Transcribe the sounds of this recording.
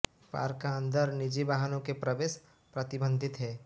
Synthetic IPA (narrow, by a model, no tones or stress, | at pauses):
pa̰ːɾkaə̃nd̪əɾnɪd͡ʒiʋaːɦənõkepɾəʋeːʃ | pɾɐt̪ɪbə̃nd̪ʱɪt̪ɦɛː